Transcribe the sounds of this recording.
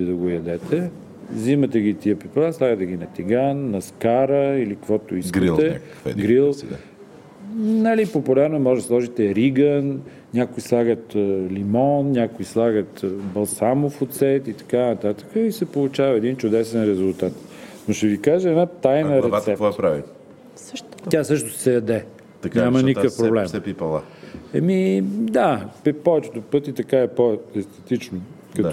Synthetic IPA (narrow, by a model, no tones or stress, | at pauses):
id̪ɐɡojɐd̪ɛt̪ʰɛ | zimət̪ɛɡʲit̪iəpiplˠanslˠaɡət̪ɛɡʲinɐt̪iɡanːɐskaɾəilikvɔt̪oiskɡɾlt̪ɛk | ɡɾilˠ | nəlipopulʲaɾnʊɛmɔʒd̪əslˠɔʒit̪ɛɾiɡən | nʲakʊislˠaɡət̪limɔnnʲakʊislˠaɡət̪bɐlˠsamofot̪sɛt̪it̪ɐ̥kanɐt̪at̪ə̥kəisɛpolˠʊt͡ʃavɐɛd̪int͡ʃʊd̪ɛsɛnɾɛzʊlˠt̪at̪noʃt̪ɛvikaʒəɛd̪nat̪ajnəɾɛt̪ɛpɔɛpɾavḭ | sʃʲasɤʃt̪ʊssɛjɐd̪ɛ | t̪ɐknɲamɐnikəfpɾoblɛmɛipɐlˠaɛ̰mid̪apɛpɔvɛt͡ʃɛt̪ʊpɤt̪it̪ɐkaɛpoɛst̪ɛt̪it͡ʃno | kɐt̪